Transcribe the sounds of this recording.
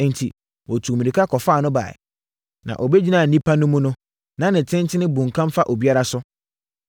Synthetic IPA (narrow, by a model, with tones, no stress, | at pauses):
n̩˨tʰi˨ | wɔ˨tʰu˨mĩ˨i˨kʰa˦kʰɔ˨faː˦˨nʊ̃˦ba̰ː˨ | nã̰˨ʔɔ˨be˦d͡ʑi˦nãː˨nĩ˦pʰa˦nʊ̃˦mʊ̃˦nʊ̃˦ | nã˦nɪ̃˨tʰɪ̃˦ntʰɪ˦nɪ̃˦bũ˨ŋ˨kʰã˦m˦fa˦ʔo˨bi˦a˦ɾa˦sʊ˦